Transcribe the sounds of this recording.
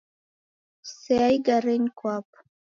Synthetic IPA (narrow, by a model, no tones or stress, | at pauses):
seajɡarenkʷʰʼapʼ